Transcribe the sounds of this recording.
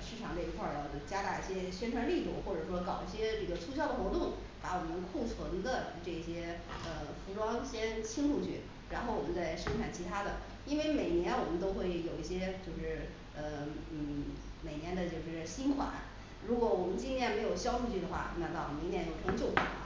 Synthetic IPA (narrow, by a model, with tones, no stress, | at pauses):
ʂɻ̩˥˩ʈ͡ʂʰɑ˨˩ŋd̪ə˧i˧˥kʰwə˞˥˩˧t͡ɕja˥t̪a˥˧i˥˩ɕjɛ˥ɕɥɛ˥nʈ͡ʂʰwa˧˥nli˥˧˩t̪u˥˩xwɔ˥˩ʈ͡ʂɤ˨˩ʂwɔ˥kɑ˨˩ʊi˥˩ɕjɛ˥ʈ͡ʂɤ˥˩ɡə˩t͡sʰu˥ɕjɑ˥˩ʊd̪ə˨xwɔ˧˥t̪ʊ˥˩ŋ | pa˧˥wɔ˨˩mə˧˦nkʰu˥˩t͡sʰwə˧˥ŋd̪ə˧ʈ͡ʂɤ˥˩i˧˩ɕjɛ˥ə˧fu˧˥ʈ͡ʂwɑ˥ŋɕjɛ˥nt͡ɕʰi˥ŋʈ͡ʂu˥˧t͡ɕʰy˥˩ | ɻa˧˥nxo˥˩ʊwɔ˨˩mə˦nt͡sa˥˩ɪʂɤ˥nʈ͡ʂʰa˨˩nt͡ɕʰi˧˥t̪ʰa˥d̪ə̰˨ | i˥nwe˥˧ɪme˨˩ɪnjɛ˧˥nwɔ˨˩mə˦nt̪o˥ʊxwe˥˩ɪjo˨˩ʊi˥˩ɕjɛ˥t͡ɕjo˥˧ʊʂɻ̩˥˩ | ə˧n̩˥˩ | me˨˩ɪnjɛ˧˥nd̪ə˧t͡ɕjo˥˧ʊʂɻ̩˥˩ɕi˥nkʰwa̰˧˥˦n | ɻu˧˥kwɔ˧˩wɔ˨˩mə˦nt͡ɕi˥t̪ʰjɛ˥˩nme˧˥ɪjo˨˩ʊɕjɑ˥ʊʂu˥˧t͡ɕʰy˥˩d̪ə˩xwa̰˥˩na˥˧t̪ɑ˥˩˨mi˧˥njɛ˧˥jo˥˩ʊʈ͡ʂʰɤ˧˥t͡ɕjo˥˩ʊka̰˨˩˦